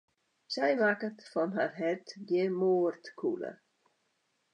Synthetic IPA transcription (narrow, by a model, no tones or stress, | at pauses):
sɛjlakətfɔnɦa̰rɦɛrtdjəmoːərtkʰṵlə̰